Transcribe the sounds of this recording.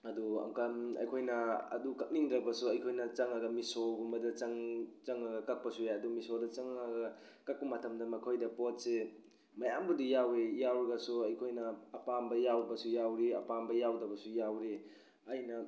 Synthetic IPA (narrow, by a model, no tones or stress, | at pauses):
ɐduɐ̰ŋkɐmɐ̰jkʰojnɐɐ̰dukɐk̚niŋdɾɐbɐsuɐjkʰojnɐt͡ʃɐŋaɡɐmisoɡumɐdɐt͡ʃɐŋt͡ʃɐŋɐɡɐkɐk̚pɐsueɐdumisodɐt͡ʃɐŋaɡɐ | kɐk̚bɐmɐtʰɐmdɐmɐkʰojdɐpot̚se | mɐjambudijawejawɾɐɡɐsuɐjkʰojnɐːpambɐjawbɐsujawɾiɐ̰pambɐjawdɐbɐsujawɾi | ɐjnɐ